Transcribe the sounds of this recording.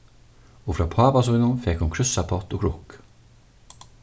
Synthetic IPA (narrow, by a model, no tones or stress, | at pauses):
oːfɾɑːpʰɑːpɑsɔʏnʊnfɛkhʊnkʰɾʏsɑpʰɔt̪oːkʰɾʊk